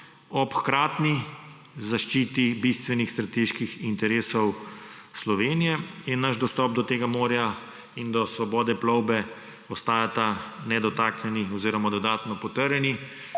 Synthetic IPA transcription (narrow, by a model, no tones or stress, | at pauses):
ɔpxkɾaːt̪ni | zaʃt͡ʃiːt̪ibist̪ʋɛnixst̪ɾat̪eːʃkixint̪ɛɾeːsɔw | slɔʋeːnijɛjɛnaʃd̪ɔst̪ɔːp̚d̪ɔt̪eːɡamoːɾja | ind̪ɔsʋɔbɔːd̪ɛplɔwbɛ | ɔst̪aːjat̪anɛd̪ɔt̪aknjɛniɔziːɾɔmad̪ɔd̪aːt̪nɔpɔt̪əɾjɛni